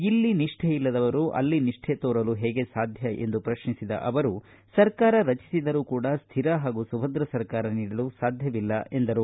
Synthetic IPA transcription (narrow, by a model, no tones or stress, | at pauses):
ilːiniʂʈʰejilːɐd̪ɐʋɐɾuʔɐ̰lːiniʂʈʰet̪oːɾɐluɦɛːɡe̞saːd̪ʱjɐʔe̞̰nd̪upɾɐʃɳisid̪ɐ̰ʔɐʋɐɾu | sɐɾkaːɾɐɾɐt͡ʃi̥sid̪ɐɾuːkuːɽɐst̪ʰiɾɐɦaːɡusubʱɐnd̪ɾɐsɐɾkaːɾɐniːɽɐlusaːd̪ʱjɐʋilːɐʔe̞nd̪ɐɾu